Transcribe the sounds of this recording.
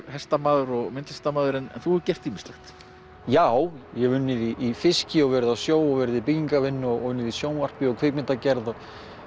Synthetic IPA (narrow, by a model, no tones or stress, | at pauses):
hɛst̪amaːðʏɾɔɣmɪnt̪ɛ̥st̪amaːðʏɾɛnɛ̰nθuɛcɛr̥t̪ʰːiːmɪst̪lɛxt̪ | jaːwjɛɣvʏnːɪðiʔːfɪscɪɔɣvɛɾɪðasjoːwɔɣvɛɾɪðipiciŋkavɪnːʏɔvʏnːɪðisjoːwnvar̥pɪɔkʰvɪːkmɪt̪acɛɾðɔ